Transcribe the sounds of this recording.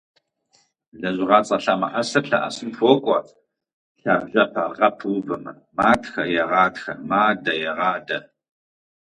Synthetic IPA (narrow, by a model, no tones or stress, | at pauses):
ɮɐʑɪʁɑːt͡sʼɐɬaːmɐħasɐɬɐ̰ʔa̰sɨmfʷɔkʷʼɔ | ɬaːbʒɐpʰɐʁɐpʰwvɐmɐ | maːtxɐjɛʁɑːdxɐ̰maːdɐjɛʁɑːdɐ